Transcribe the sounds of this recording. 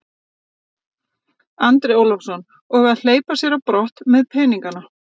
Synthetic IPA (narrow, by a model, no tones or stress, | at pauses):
ant̪ɾɛoːwlɔfsɔn | ɔɣaðl̥eːjpasjɛɾapɾɔht̪mɛðpʰɛːniŋkana